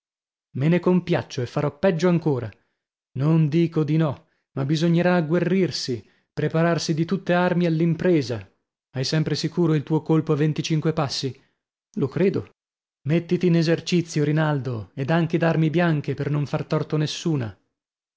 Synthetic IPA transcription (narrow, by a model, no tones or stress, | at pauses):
menekompja̰t͡ʃːoefːaɾɔpːɛd͡ʒːoaŋkoːɾa | nond̪iːkod̪inɔ | mabizoɲːeɾaːɡːwerːirsi | pɾepaɾarsid̪it̪ut̪ːearmialːimpɾeːza | ajsɛmpɾesikuːɾoilt̪uːokolpoavːent̪it͡ʃiŋkwepasːi | lokɾeːd̪o̰ | met̪ːit̪iːnezert͡ʃit̪sːjoɾinald̪oɛd̪aŋked̪armibjaŋk̟epernoɱfart̪ɔrt̪onesːuːna̰